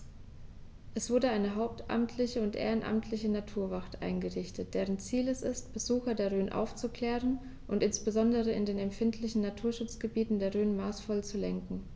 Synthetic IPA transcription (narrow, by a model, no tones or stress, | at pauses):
ʔɛsv̥ʊɐdəaɪnəɦaʊp̚tʰʔa̰mtʰlɪçəʊntʔḛːʁənʔa̰mtʰlɪçənatʰuːɐvaχtʔa̰ɪnɡəʁɪçtət̚d̥eːʁ̞ənt͡siːlɛsɪstb̥əzuːxɐdeːɐʁ̞øːnʔa̰ʊft͡sukl̥ɛːʁən | ʔʊntɪnsb̥əzɔndəʁəɪ̰ndeːnɛmfɪntʰlɪçn̩natʰuːɐʃʊt͡sɡ̥əbiːtn̩deːɐʁøːnmaːsfɔlt͡sulɛŋkŋ̩